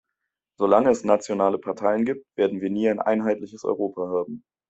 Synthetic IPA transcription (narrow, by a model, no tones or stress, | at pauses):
z̥olaŋəɛsnat͡sjonaːləpʰaɐtʰaɪənɡiːp̚tv̥eːɐdn̩viːɐniːaɪnʔa̰ɪnɦaɪtlɪçəsɔ̰ʏʁ̞oːpʰaɦaːbm̩